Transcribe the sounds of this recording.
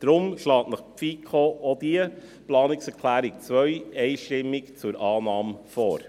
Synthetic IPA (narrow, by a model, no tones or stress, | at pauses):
d̥ɾʊmʃlɑːtnəχfiːkʰoːodiə | plɑːnɪksəkʰlæːɾɪk̚t͡svœʏeɪʃtɪmɪkt͡sʊɾʔɑːnɑːmfɔːɾ